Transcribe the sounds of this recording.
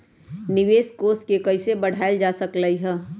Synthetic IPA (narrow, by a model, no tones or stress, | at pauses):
nɪʋeːskoːsʈkekəɪsebəɽ̤ʱaɪld͡ʒasəkləiɦɛ̃ː